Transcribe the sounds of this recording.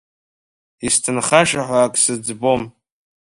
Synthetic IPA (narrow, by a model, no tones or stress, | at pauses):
istʰɨnχaʂaħʷaːkʼsɨd͡zbo̞m